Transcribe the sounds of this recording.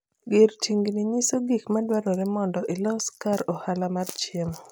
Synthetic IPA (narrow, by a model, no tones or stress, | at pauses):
ɡɪɾtʰiŋɡniɲisoɡikmadwaɾɔɾɛmɔndɔʔɪlɔskaɾɔhalamart͡ʃɪm